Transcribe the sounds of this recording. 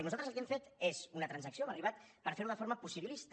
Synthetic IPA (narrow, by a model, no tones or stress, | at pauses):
nuzalt̪əzəlˠkeɱfet̪ezunət̪ɾansəksioməriβat̪pəɾfeɾuðəfoɾməpusiβilist̪